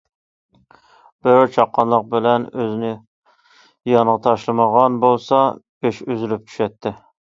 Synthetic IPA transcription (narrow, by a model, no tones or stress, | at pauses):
b̥ɪɾt͡ʃʰɑqːɑnlˠəq̚bɪlɛnøzɪnɪ | jɑɴʁɑt̪ʰɑʃlˠɨməʁɑnbolˠsɑbeʃyzɪlyp̚t͡ʃʰy̥ʃɛt̪ʰːɪ